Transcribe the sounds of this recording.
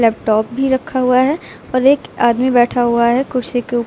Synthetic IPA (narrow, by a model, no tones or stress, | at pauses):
lɛːpʈɔːp̚bʱiɾɐkʰːaɦuaɦɛ | ɔːɾeːkaːd̪mibɛːʈʰaɦuaɦɛkʊɽsekeʊ